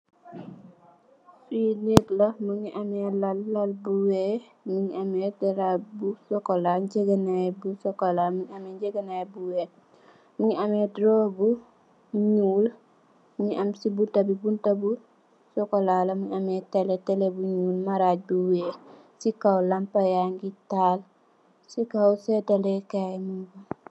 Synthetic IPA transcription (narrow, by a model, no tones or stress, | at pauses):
sunitlɐmuɲiʔamɛlalːalbuwɛ | muɲamɛtɛɾabusɔkɔlaɲɟeɡanajbusɔkɔlamuɲamɛɲd͡ʒeɡanajbuwɛ | muɲiamɛdɾɔbu | ɲuːl | mɲiʔɐmsibuntabibuntabu | sɔkolalɐmuɲamɛteletɛlebuɲuːlmaɾaɟ̚buwe | sikawlampajaŋɡital | sikawsɛdalɛkajmubu